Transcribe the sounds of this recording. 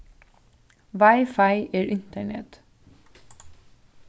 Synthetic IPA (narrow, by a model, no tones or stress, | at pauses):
ʋɑɪfɑɪʔeːɹʔɪnt̪əɳɛ̰t̪